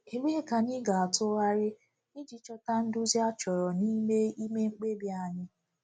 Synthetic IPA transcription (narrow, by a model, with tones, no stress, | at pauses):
e˨ɡ͡bʷe˦˨ka˨nɪ˦ɡa˨a˨tʊ˦ɣa˦ɾɪ˦ | i˦d͡ʒi˦t͡ʃɔ˦ta˦n̩˦du˦zja˦t͡ʃɔ˨ɾɔ˨ni˦me˦i˦me˦ŋ͡m̩˦k͡pe˦bi˦a˨ɲɪ˦